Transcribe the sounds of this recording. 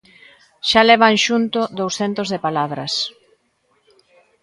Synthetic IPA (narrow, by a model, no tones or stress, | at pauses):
ʃalɛβ̞aŋʃunt̪ʊðowsθent̪ozðepalaβɾɐs